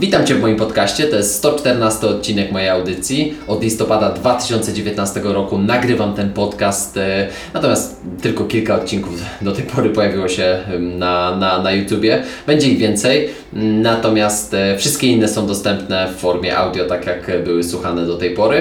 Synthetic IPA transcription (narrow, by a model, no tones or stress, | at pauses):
it̪amt͡ɕɛvmɔjimpɔt̪kaɕt͡ɕɛt̪ɔjɛst̪st̪ɔt͡ʂt̪ɛɾnast̪ɘɔt̪̚t͡ɕinɛkmɔjejawd̪ɘt̪sʲjiɔd̪lʲist̪ɔpad̪ad̪vat̪ɘ̥ɕɔ̃nt̪sɛd͡ʑevʲjet̪nast̪ɛɡɔɾɔkunaɡɾɘvamt̪ɛnpɔt̪kast̪ | nat̪ɔmʲjast̪ | t̪ːɘlkɔkʲilkaɔt̪̚t͡ɕiŋkuvd̪ɔt̪ɛjpʰɔɾɘpɔjavʲiwɔɕɛnananajut̪ʲjubʲjɛb̥ɛɲd͡ʑɛiɣvʲjɛnt̪sɛj | nat̪ɔmʲjast̪fʂɘst̪̚kʲeinːɛsɔ̃w̃d̪ɔst̪ɛmpnɛfːɔɾmʲjɛ̰ʔa̰wd̪ʲjɔt̪akʲjakbɘwɘswuxanɛd̪ɔt̪ɛjpɔɾɘ